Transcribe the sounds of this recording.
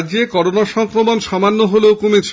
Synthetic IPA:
d͡ʑekɔɾonaʃɔŋkɾomonʃɔmanːoɦoleokomet͡ɕʰ

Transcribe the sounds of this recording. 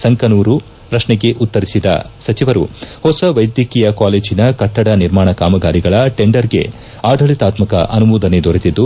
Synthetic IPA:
sɐŋkɐnuːɾu | pɾɐʂɳɛɡe̞ʔut̪ːɐɾisid̪ɐ̰sɐt͡ʃiʋɐɾṵhɔsɐʋɐjd̪jɐkiːjɐkaːleːd͡ʒinɐkɐʈːɐɽɐniɾmaːɳɐkaːmɐɡaːɾiɡɐɭɐʈeɳɖɐɾɡe̞̰ | aːɖʱɐɭit̪aːt̪mɐkɐ̰ʔɐnumuːd̪ɐne̞d̪ʱoɾet̪id̪ːu

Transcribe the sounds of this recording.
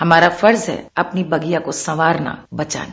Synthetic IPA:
hɐmaːɾafɐɾzɦɛ̰ɐpnibɐɡijakosɐʋaːɾna̰bɐt͡ʃa̰ːn

